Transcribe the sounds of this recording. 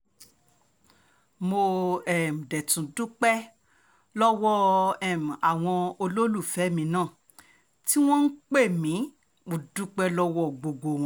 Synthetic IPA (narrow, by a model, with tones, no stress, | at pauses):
mo˧ɛ˨m̩˨dɛ˨tũ˨du˦k͡pɛ˦ | lɔ˦wɔ˦ɛ˨m˨a˨w̃ɔ̃˧o˧lo˦lu˦˨fɛ˨˦mĩ˨˧˦nãː˦˨ | ti˦w̃ɔ̃˦n̩˦k͡pe˦˨mĩ˨˦ | mo˨du˦k͡pɛ˦lɔ˦wɔ˦ɡ͡bo˧ɡo˧˨w̃ɔ̃˨˧˦